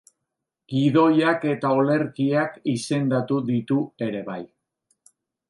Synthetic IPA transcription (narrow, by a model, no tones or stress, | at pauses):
ɡ̥iðo̞jake̞t̪aole̞ɾkiakise̞nd̪at̪uðit̪ue̞ɾe̞βaj